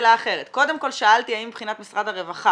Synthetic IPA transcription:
laːχe̞ʁet̪ko̞d̪e̞mko̞lʃaaltiajimbχinat̪misʁad̪haʁevaχa

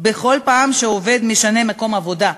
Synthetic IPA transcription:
beχo̞lpaːmʃeove̞d̪miʃane̞mako̞mavo̞d̪a

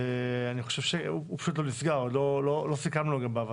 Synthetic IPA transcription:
eaniχo̞ʃevʃeuupḁʃut̪lonisɡaʁod̪lololosikamloɡambaːva

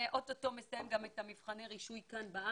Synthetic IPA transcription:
ʔototo̞me̞sajemɡametamifχaneʁiʃujkanbaa

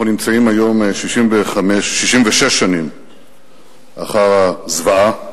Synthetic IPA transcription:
aunimt͡saimajo̞mʃiʃimveχameʃːiʃimveʃeʃːanim | ʔaχaʁazvaa

